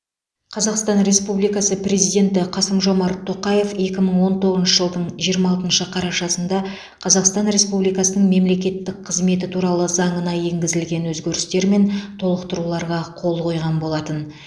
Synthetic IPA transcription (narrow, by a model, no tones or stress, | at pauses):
qʰɑzɑqst̪ɑnɾe̞spublijkɑsəpɾe̞zijd̪ʲe̞nt̪ɪqʰɑsəmʒo̞mɑɾt̪ʰːo̞qɑje̞fe̞kʲɪməɴwo̞nt̪ʰo̞ʁəznʃəʒəlˠd̪əɴʒijəɾmɑlˠt̪ənʃəqʰɑɾɑʃɑsənd̪ɑ | qʰɑzɑqst̪ɑnɾe̞spublijkɑsənəɴme̞mle̞kʲe̞t̪ːɪk̚qʰəzme̞t̪̬ɪt̪ʰuɾɑlˠəzɑɴənɑje̞ŋɡʲɪzɪlɡʲe̞nwɵzɡʲeɾɪst̪e̞ɾme̞nt̪ʰo̞lˠəqt̪əɾulˠɑɾʁɑqʰo̞lˠqʰo̞jʁɑnbo̞lˠɑt̪ən